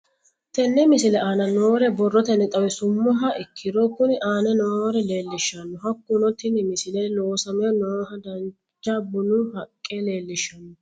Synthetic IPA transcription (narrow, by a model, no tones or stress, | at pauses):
t̪ɛnːɛmɪsɪlɛaːnɐnoːɾɛbɔrːɔt̪ɛnːɛt̪ʼɐwɛsʊmːɔɦɐʔɪkʰːɪd̪ɔkːʊnɪʔaːnɛnoːɾɛle̞ːlːɪʃːɐnːɔɦɐkːʊnɔt̪ːɪnɪmɪsɪlɛloːsɐmɛjɐnoːhɐd̪ɐn | t͡ʃːɐbʊnuhɐkʼːɛle̞ːlːɪʃːɐnːɔ